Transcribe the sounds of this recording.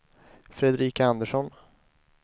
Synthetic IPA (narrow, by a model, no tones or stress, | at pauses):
fɾɛd̪ɾiːkaand̪əʂɔn